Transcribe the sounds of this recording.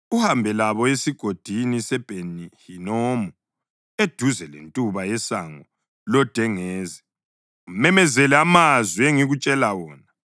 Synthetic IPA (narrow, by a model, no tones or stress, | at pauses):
uhambʱɛlaβɔesiɡ̥ʱod̥ʱinisɛb̥ʱenihinɔːmɔ | ed̥ʱuzɛlḛntʼuβajɛsaŋɔ | lɔd̥ʱɛŋɛːzɛ | umɛmɛzɛlɛamazwieŋiɣut͡ʃʼɛlawɔːna